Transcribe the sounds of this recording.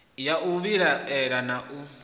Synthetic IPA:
jaʔuβiɾaɛɾanaʔu

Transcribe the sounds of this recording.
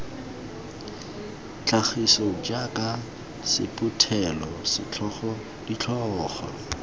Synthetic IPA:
t͡ɬʰaχisɔd͡ʒakʼa | sɪ̰pʼʊtʰɛlɔsɪt͡ɬɔɔ | dit͡ɬʰɔɔːχɔ̰

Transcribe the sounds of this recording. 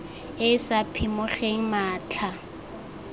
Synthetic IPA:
ɪsapʰimʊχeŋ̩maːt͡ɬʰa

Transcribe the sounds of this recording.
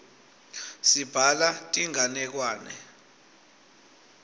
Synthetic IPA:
sib̥ʱalatʼiŋanɛk̬waːnɛ̰

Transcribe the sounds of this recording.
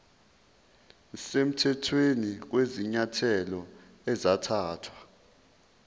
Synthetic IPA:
sem̩tʰɛtʰwenik̬weziɲatʰɛlɔ | ɛzatʰaːtʰwa

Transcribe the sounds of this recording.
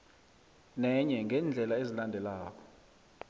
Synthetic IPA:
nɛɲɛŋɡʱɛːnd͡ɮʱɛlaezilandʱɛlaːk̬ʰʼɔ̥

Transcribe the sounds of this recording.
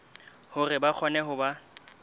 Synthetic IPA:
hʊrɪbak͡xʰɔnɛɦʊba

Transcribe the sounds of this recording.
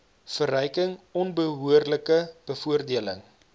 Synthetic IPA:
fərœjkəŋɔnbəɦuərləkəb̥əfuərdiələ̰ŋ

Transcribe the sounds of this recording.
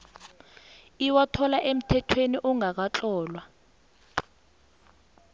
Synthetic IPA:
iwatʰɔlaʔem̩tʰɛtʰweniʔɔŋak̬at͡ɬɔːlwa

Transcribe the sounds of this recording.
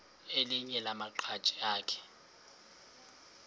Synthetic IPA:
eliɲɛlamaǃʰḁt͡ʃʼiaːkʰɛ̥

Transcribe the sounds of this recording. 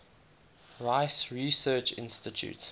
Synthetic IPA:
ɹaɪsɹisɜːt͡ʃɪ̰̃nstɪtʰjṵːt

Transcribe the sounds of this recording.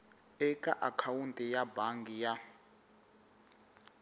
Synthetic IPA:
ɛkʼa̰ʔakʰawuntʼijabaŋɡija

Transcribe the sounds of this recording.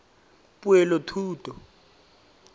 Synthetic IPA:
pʼuɛlɔtʰuːtʼɔ

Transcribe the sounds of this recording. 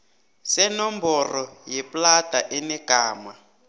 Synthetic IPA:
sɛnɔmbɔrɔjɛplataʔɛnɛkaːma

